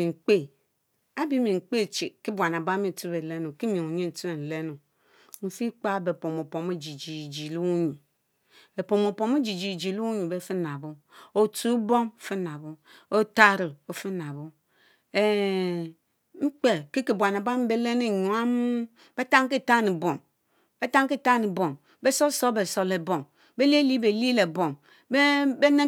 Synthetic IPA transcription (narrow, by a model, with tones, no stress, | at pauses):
i˨ŋ͡m̩˨k͡pe˦˨ | a˦bi˦mi˨ŋ͡m̩˨k͡pe˦˨t͡ʃi˨ki˦bʷa˨n˨a˨ba˦me˨tu˦be˨le˦nu˨ki˦mi˨ŋo˨ɲe˦n̩˨tu˦e˨n̩˨le˦nu˨ | n̩˨fi˦k͡pa˦be˨po˨mo˨po˨me˦d͡ʒi˨d͡ʒi˨d͡ʒi˨lu˦ɲu˨ | e˨po˨mo˨po˨me˦d͡ʒi˨d͡ʒi˨d͡ʒi˨lu˦ɲu˨be˦fi˦na˨bu˦o˨tu˦bo˦ŋ˨fi˦na˨bu˦o˦ta˦ɾi˨o˨fi˦na˨βu˦ | e˨ | ŋ͡m̩˦k͡pe˨ki˦ki˨bʷwa˨na˨ba˦m̩˦be˦le˦ne˨ɲu˨a˦mu˦ | b̥e˦ta˦ŋ˦ki˦˨ta˦ni˨bo˨m | b̥e˦ta˦ŋ˦ki˦˨ta˦ni˨bo˨ŋ | be˦so˦so˦be˨so˨le˨bo˨ŋ | be˦li˦e˦li˦be˨li˦le˨bo˨ŋ | be˦be˦ne˦